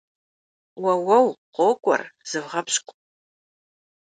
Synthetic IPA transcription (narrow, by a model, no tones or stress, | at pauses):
wɐwɐwqʷoːkʷʼɔ̰rz̥ɨvʁɐpɕkʷʼ